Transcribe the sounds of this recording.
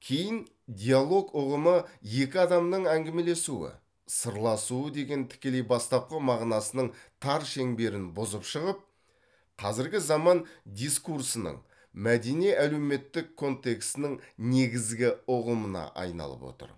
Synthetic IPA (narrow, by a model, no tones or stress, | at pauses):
kʲʰe̞jɪn | d̪ʲijalˠo̞ɡʊʁəməje̞kʲɪɑd̪ɑmnəɴæŋɡʲeme̞le̞suɪ̰ | səɾlˠɑsuəd̪e̞ɡʲe̞nt̪ʰɪ̥kʲe̞le̞jbɑst̪ɑp̚qəmɑʁnɑsənəɴt̪ʰɑɾʃe̞ŋbe̞ɾɪnbʊzəpʃəʁəp̚ | qʰɑzɪɾɡʲɪzɑmɑnd̪ijskuɾsənə̰ɴ | mæd̪eneʔæle̞wme̞t̪ːɪkʰːo̞nt̪e̞kst̪ɪnɪŋne̞ɡʲɪzɡʲɪʊʁəmənɑ̰ʔɑ̰jnɑ̰lˠə̰pwo̞̰t̪ə̰ɾ